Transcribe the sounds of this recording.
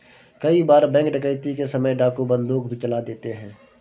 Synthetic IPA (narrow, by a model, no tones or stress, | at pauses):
kɐibaːɾbɛ̃ːŋkɖɪkəɪt̪ikesɐməjɖaːkobə̃nd̪uːkbʱit͡ʃɐlad̪eːt̪eɦɛ̃ː